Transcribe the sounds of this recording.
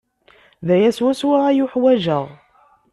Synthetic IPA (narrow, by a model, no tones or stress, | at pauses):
ðæjæswæswaʁæjʊħwæʒəʁ